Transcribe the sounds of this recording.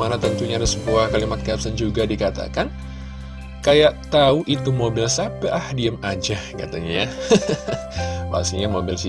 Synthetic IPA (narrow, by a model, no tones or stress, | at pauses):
manat̪ənt̪uɲadəsəbuahkalimat̪̚kap̚sənd͡ʒuɡadikat̪a̰kan | kajaʔt̪auʔit̪umobɪlsapɛʔahdiəmad͡ʒaka̰t̪aɲaja | ba̰siɲamobɪlsi